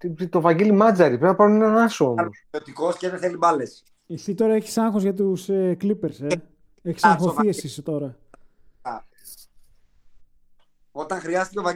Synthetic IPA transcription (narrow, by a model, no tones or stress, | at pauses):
t̪it̪o̞vɐɟilimɐd͡zɐɾipeɐpɐɾunenɐnɐsom | ot̪ikoscezeθelibɐles | esit̪o̞ɾɐeçi̥sɐŋxozʝɐt̪̬useklipe̞ɾse | eçi̥sɐŋxoθiesisot̪o̞ɾɐ | o̞t̪ɐŋxɾiɐzet̪t̪vɐ